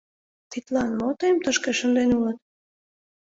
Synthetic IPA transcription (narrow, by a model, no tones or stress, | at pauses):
t̪it̪lɑnmot̪emt̪əʃkeʃə̆nd̪enulət̪̚